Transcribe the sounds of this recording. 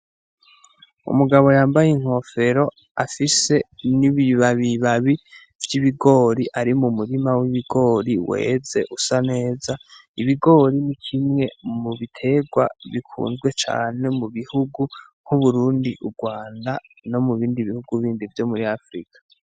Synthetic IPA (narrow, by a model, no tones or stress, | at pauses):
ṵmuɡaβo̞jaːmbajeŋ̥ho̞fe̞ɾo̞ | afise̞niβiβaβiβaβi | vjiβiɡo̞ːɾiʔaɾimumuɾimawiβiɡo̞ːɾiwḛːze̞ʔusane̞ːzaiβiɡo̞ːɾinikʰimŋe̞muβitʰe̞ɡwa̰βikʰṵːnzɡwe̞t͡ʃa̰ːne̞muβihuɡuŋ̥huβuɾuːndiʔuɾɡwaːnda | no̞muβiːndiβihuɡuβiːndivjo̞muɾiafɾḭkḁ